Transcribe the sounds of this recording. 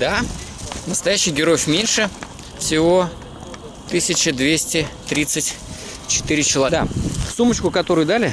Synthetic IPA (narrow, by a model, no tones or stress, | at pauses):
d̪a | nəst̪ɐjæɕːɪjɡʲɪɾo̞jɪfʲmʲenʲʂɨ | fsʲɪvo̞ | t̪ɨsʲɪt͡ɕɪd̪vʲesʲtʲɪt̪ɾʲit̪sɨtʲ | t͡ɕɪ̥t̪ɨɾʲɪt͡ɕɪlˠɐd̪asumət͡ɕkʊkɐt̪o̞ɾʊjʊd̪alʲɪ